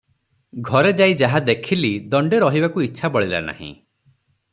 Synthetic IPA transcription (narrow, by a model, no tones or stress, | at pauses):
ɡʱɔɾed͡ʒajd͡ʒaɦad̪ekʰilid̪ɔɳɖeɾɔɦibakuitːʃʰabɔɭila̰na̰hḭ̃